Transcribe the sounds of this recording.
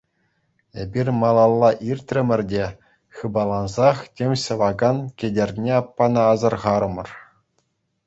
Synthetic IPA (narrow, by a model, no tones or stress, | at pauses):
ebʲirʲmɑlˠɑlˠːɑʔirʲt̪ʲrʲɘ̆mʲɘ̆rʲdʲe | xχɯbɑlˠɑnzɑχtʲemʲɕɤ̆ʋɑɡɑnkʲĕdʲerʲnʲeɑpːɑnɑːzɤ̆rʁɑɾɤ̆mɤ̆r